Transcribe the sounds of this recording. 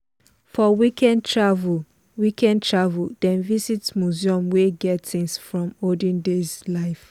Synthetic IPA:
fɔwikʰɛ̃ntʰɹavul | wikɛ̃ndtʰɹavuldɛ̃nvisitsmuziɔ̃mweɡɛtθɪ̃ŋsfɹɔ̃modĩndezlaɪf

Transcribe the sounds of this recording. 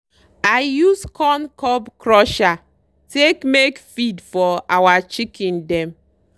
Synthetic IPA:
ajuskʰɔnkɔbkɾɔʃa | tekmekfidfɔawat͡ʃikĩndɛm

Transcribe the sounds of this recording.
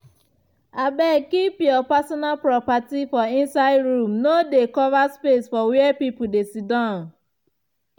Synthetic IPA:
abɛkipjɔpasɔnalpɾɔpatifɔĩnsaɪdɹũmnodekɔvaspesfɔwiɛpipudesidãn

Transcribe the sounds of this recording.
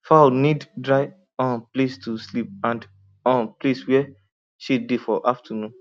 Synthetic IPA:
faniddɹaɪ | ɔ̃nplestuslip̚ãnd | ɔ̃npleswɛ | ʃidifɔʔaftənũn

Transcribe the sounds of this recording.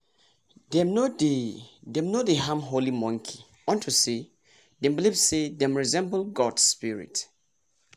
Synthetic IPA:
dɛmnodedɛ̃mnodeɦãmɦolimɔ̃ŋkʰi̥ | ɔ̃ntʰuse | dɛ̃mbilivsedɛ̃mɹizɛ̃mblɡɔdspiɹḭt

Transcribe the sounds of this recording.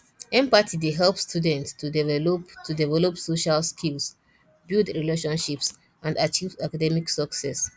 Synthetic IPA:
ɛ̃mpatʰideɦɛlˠpstʰudɛ̃ntstudɛtudivɛlɔpsoʃalskʰils | bildɹileʃɔ̃nʃips | ʔãndat͡ʃivakadɛmiksɔksɛs

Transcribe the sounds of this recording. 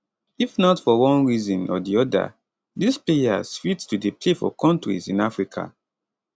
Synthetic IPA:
ifnɔtfɔwɔ̃nɹizɔ̃nɔdiɔda̰ | displeja̰z̥fitstudepʰlefɔ̰kʰɔ̃ntɹḭzĩnafɹikʰa̰

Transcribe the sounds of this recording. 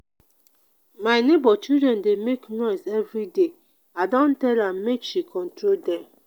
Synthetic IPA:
maɪnebɔt͡ʃildɾɛ̃ndemeknɔɪsɛvɾide | adɔ̃n̩tɛlammekʃikʰɔ̃n̩tɾoldɛm

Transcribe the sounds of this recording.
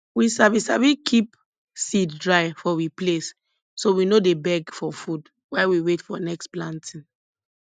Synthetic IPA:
wisavisavikʰip | siddɹaɪfɔwiplesː | owinodebɛɡfɔfud | waɪwiwetfɔnɛksplãntʰĩn

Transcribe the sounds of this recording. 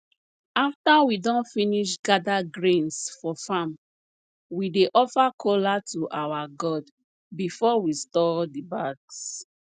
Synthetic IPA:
aftawidɔ̃nfiniʃɡadaɡɹẽnsfɔfãm | wideʔɔfakʰolatuʔawaɡɔd | bifɔwistɔdibaɡs

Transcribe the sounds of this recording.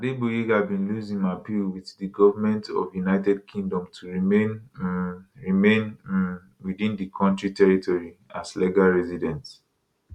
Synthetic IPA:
adebujiɡabĩnluzĩŋmapilwiθdiɡɔvamɛ̃ntʰɔ̰vjunaɪtɛd̚kʰĩŋdɔ̃mtʰuɹimen | ɹimẽn | widĩndikʰɔ̃ntɹitʰɛɹitʰɔɹiaslɛɡalɹɛzidɛ̃nt

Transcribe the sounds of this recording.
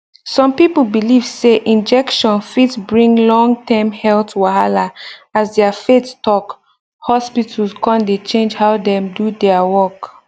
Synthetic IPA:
sɔ̃mpipəlbilivseʔĩnd͡ʒɛkʃɔ̃nfitsbɹĩŋlɔ̃ŋtʰãmhɛltʰwaɦalaasdɛəfettɔk | hɔspitʰəl̩skɔ̃ndet͡ʃẽnd͡ʒhaʊdɛ̃mdudɛəwɔk

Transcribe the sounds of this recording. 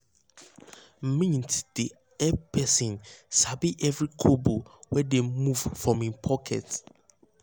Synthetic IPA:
m̩mĩntʰd̥i | ɛpʰɛsĩnsabiʔɛvɹikʰobowɛdemuv̥fɹɔ̃mĩnpʰɔkʰɛ̰t

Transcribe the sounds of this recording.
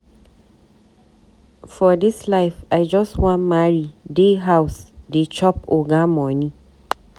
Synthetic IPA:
fɔdislaɪfaɪd͡ʒɔstwɔ̃nmaɹideɦaʊsdet͡ʃʰɔp̚oɡãmɔ̃nĩ

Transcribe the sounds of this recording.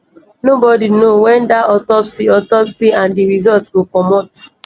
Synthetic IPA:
nobɔdinowɛ̃ndaɔtɔpsdiɔtɔpsiãndiɹizɔltwilkɔmɔt

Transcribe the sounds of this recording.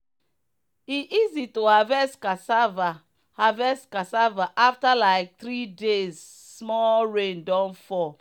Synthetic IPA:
iʔizitohavɛstkasava | havɛstkasavaʔaftalaɪk̚t̪ɾidez | smɔɹẽndɔ̃nfɔ

